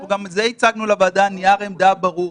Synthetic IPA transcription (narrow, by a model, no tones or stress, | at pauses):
ɡamzeit͡saɡnulavaːd̪anijaʁemd̪abaʁu